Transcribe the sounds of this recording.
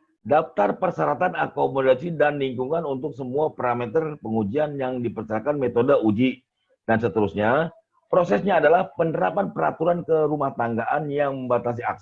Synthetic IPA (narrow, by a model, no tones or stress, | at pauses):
daft̪arpərsaɾat̪anakomodasidanliŋkuŋanunt̪ʊksəmuapaɾamet̪ərpəŋud͡ʒianjaŋdipərt͡ʃəɾakanmet̪odəud͡ʒi | d̥ansət̪əɾusɲa | pɾosɛsɲaːdalahpənəɾapanpəɾa̰t̪uɾankəɾumaht̪aŋɡaʔanjaŋməmbat̪as̬ia̰k̚s